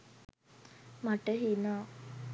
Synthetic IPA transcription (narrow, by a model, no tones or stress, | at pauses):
maʈəɦinaː